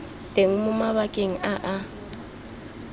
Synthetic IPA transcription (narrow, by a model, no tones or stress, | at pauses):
tʼeŋ̩mʊmaβakʼeŋ̩ʔaʔa